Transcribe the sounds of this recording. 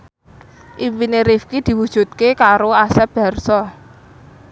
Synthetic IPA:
ʔipineɾifkid̪̥i̤wud̥ʒ̥ṳt̪̚kekaɾoasɛb̥a̤rsɔ

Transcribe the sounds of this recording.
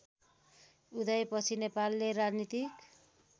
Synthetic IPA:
ud̪ʌjpʌt͡sʰinepalːerad͡znit̪ik

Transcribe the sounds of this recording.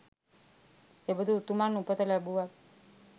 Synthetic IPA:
t̪ebəd̪ʱut̪umanũpət̪əlabuʋat̪

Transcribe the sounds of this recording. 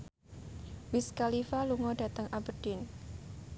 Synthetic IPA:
wɪskalifaluŋɔd̥a̤t̪əŋabərd̥ɪn

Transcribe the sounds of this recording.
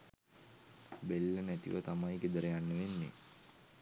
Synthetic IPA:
belːənæt̪ḭʋə̰t̪amajɡed̪əɾəjanːəʋenːḛ

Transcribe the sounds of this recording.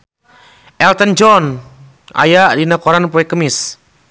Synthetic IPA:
ʔɛlt̪ənd͡ʒɔn | ʔa̰jaʔdinəkoɾanpoɛkəmɪs

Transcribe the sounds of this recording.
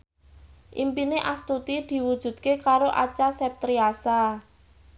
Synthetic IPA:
ʔḭmpineʔast̪ut̪id̪̥i̤wud̥ʒ̥ṳd̪̥̚kekaɾoʔat͡ʃasɛp̚t̪ɾiasa

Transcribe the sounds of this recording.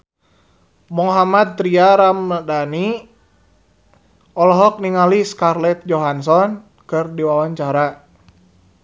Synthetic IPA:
mɔɦamad̪̚t̪ɾiaɾamdani | ɔlɔɦɔk̚niŋaliskarlɛt̪̚d͡ʒɔɦansɔn | kɨrdiwawaɲt͡ʃaɾa

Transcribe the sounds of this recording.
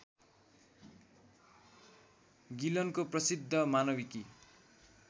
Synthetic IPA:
ɡilʌnkoprʌsid̪ʱːʌmanʌbiki

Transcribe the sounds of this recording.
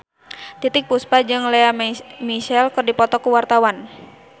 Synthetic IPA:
t̪it̪ɪk̚puspad͡ʒɨŋlɛamiʃɛlkɨrdipɔt̪ɔkuwart̪awan

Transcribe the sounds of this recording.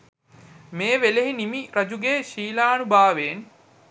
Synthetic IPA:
meːʋeleɦinimiɾɐd͡ʒuɡeːʃiːlaːnubaːʋeːn

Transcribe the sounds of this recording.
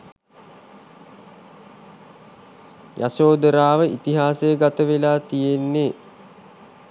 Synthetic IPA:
ja̰soːd̪əɾaːʋəʔit̪iɦaːsejəɡat̪əʋelaːt̪ijenːe

